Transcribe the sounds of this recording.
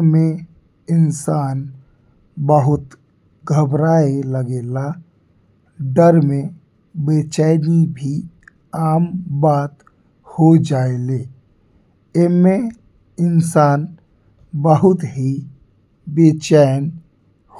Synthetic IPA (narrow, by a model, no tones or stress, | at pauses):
mẽ | ɪnsaːn | bəɦʊt̪ | ɡʱəbɾaːeləɡeːla | ɖəɾmẽ | beːt͡ʃaːnibʱi | aːmbaːt̪ | hod͡ʒaːeleː | ɪmẽ | ɪnsaːn | bəɦʊt̪ɦi | beːt͡ʃaːjn